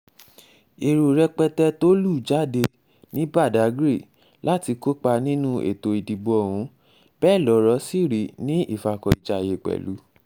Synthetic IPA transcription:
e˨ɾo˨ɾɛ˧k͡pɛ˧tɛ˦to˦lu˦˨d͡ʒa˨˦˨de˧ | nĩ˦ba˦˨da˨˦ɡɾe˦˨ | la˦ti˧ko˦k͡pa˧nĩ˦nũ˦ʔḛ˨to˨i˨di˨bo˨˧ɔ˨w̃ũ˨˦ | b̥ɛ˦˨lɔ˨˦ɾɔ˧˦si˦˨ɾi˨˦nĩ˦i˦˨fa˧kɔ˧i˨d͡ʒa˧˨je˧˨k͡pɛ̰˨lṵ˨˦

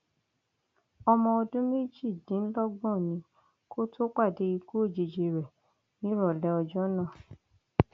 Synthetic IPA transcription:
ɔ˧mɔ̃˧o˧dũ˦me˦d͡ʒi˦˨dĩ˨˦n̩˦lɔ˦ɡ͡bɔ̃˦˨nĩ˧˦ | kʰo˦to˦k͡pa˦˨de˨˦i˧ɡu˦o˦˨d͡ʒe˨d͡ʒe˧ɾɛ˨ | nĩ˨˦ɾɔ˦˨lɛ˧˦ɔ˧d͡ʒɔ˦nã˦˨

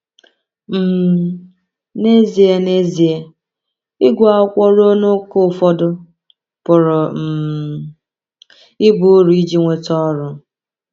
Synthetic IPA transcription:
m̩˨ | ne˦zi˨e˨ne˦zi˨e˨ | ɪ˦ɡʷʊ˦˨a˦kʷɔ˦ɾo˦nʊ˦kʊ˦˨fɔ˦dʊ˦ | pʊ˨ɾʊ˨m̩˨ | ɪ˦bu˦ɾu˨i˦d͡ʒi˦ŋʷe˨tɔ˦ɾʊ˨

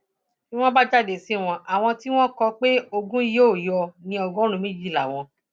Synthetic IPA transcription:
ki˦w̃ɔ̃˦ba˦d͡ʒa˦˨de˨si˦˨w̃ɔ̃˧a˨w̃ɔ̃˧ti˦w̃ɔ̃˦kɔ˧k͡pe˦o˧ɡũ˦i˦jo˦˨jɔ˧nĩ˧ɔ˧ɡɔ˦ɾ̃ũ˧mĩ˦d͡ʒi˦˨la˨w̃ɔ̃˧

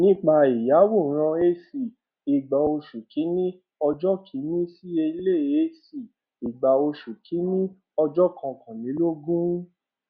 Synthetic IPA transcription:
nĩ˦˨k͡pa˧i˨ja˨˦wo˦˨ɾ̃ã˧e˦si˨ | i˨ɡ͡ba˨o˧ʃu˨kʰi˨˦nĩ˦ | ɔ˧d͡ʒɔ˦kʰi˨˦nĩ˦si˦e˧i˧le˦˨e˦si˨ | i˨ɡ͡ba˨o˧ʃu˨kʰi˨˦nĩ˦ | ɔ˧d͡ʒɔ˦kʰã˧kʰã˨mĩ˨˦lo˦ɡũ˦

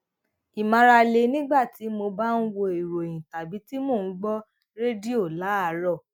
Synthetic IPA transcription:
i˨mã˧ɾa˧le˧˦nĩ˦ɡ͡ba˦˨ti˨˦mo˧ba˦n̩˦wo˧i˨ɾo˨j̃ĩ˨ta˨bi˨˦ti˦mo˦˨ñ̩˨˦ɡ͡bɔ˦ | ɾe˦di˦o˦˨la˨˦a˨˦ɾɔ˦˨

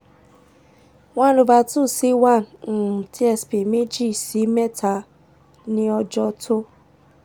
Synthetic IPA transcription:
wã˦lo˧ba˧tũ˦˨si˦wã˦˨n̩˨ti˦ɛ˧spi˨me˦d͡ʒi˦˨si˨˦mɛ˦˨ta˧˨ | nĩ˧˦ɔ˧d͡ʒɔ˧tʰo˦

